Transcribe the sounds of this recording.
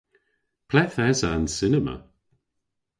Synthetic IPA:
pʰl̥ɛθɛzansɪnəmə̰

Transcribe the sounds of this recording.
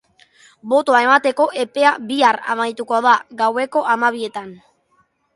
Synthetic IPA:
bo̞t̪oae̞mat̪e̞ko̞ʔe̞pe̞aβiaɾa̰majt̪ukoaðaɣawe̞ko̞ʔamaβ̞ie̞t̪an

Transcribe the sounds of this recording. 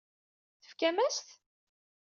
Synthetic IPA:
θə̥fkæmæst̪

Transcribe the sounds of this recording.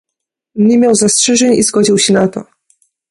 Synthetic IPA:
ɲɛmʲjawzastʂɛʐɛɲḭzɡɔd͡ʑiwɕɛnat̪ɔ̰

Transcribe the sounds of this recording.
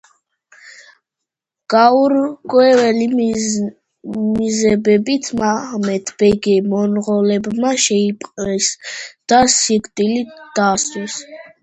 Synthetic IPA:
ɡ̥auɾkʼwɛvɛli | mizɛbɛbit̪ʰmaʁmɛt̪ʰb̥ɛɡɛmɔnʁɔlɛbmaʃɛipʼqʼlɛsd̪̥asiɡd̪ʼilit̪d̪̥asʼwɛs

